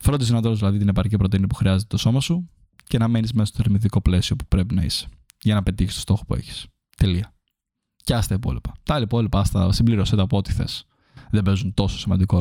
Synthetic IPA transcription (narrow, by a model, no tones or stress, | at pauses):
fɾod̪izðinɐt̪oɾozðilɐðit̪inepɐɾcipɾot̪iniipuxɾiɐze̞t̪et̪o̞so̞mɐsu | ce̞nɐme̞nizmesɐst̪oθeɾmiðiko̞ple̞sio̞pu̥pɾe̞pinɐḭse̥ | ʝɐnɐpe̞t̪içistost̪o̞xopue̞̰çi̥s | t̪e̞liɐ | ceɐst̪ɐipo̞̰lipɐ̥t̪ɐɐliipo̞lipɐɐst̪ɐ̰simbliɾoset̪ɐpoo̞t̪i̥θe̞̰s | ðebe̞zunt̪o̞so̞̥simɐnd̪iko